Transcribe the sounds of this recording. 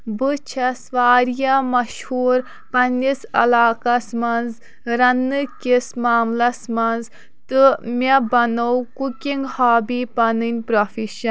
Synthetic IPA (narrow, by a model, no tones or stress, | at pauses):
bɨt͡ʃʰɐsʋaːɾijɐmɐʃhuːɾ | pɐnʲisɐ̰laːkɐsmɐnz | ɾɐnːɨkʲismaːmlɐsmɐnz | t̪ɨmʲebɐnowkukiŋɡhaːbipɐnɨnʲpɾofiʃɐn